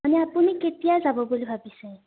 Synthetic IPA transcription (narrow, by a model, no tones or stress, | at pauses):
anɛapuniketijazabɔbulibʱabisɛ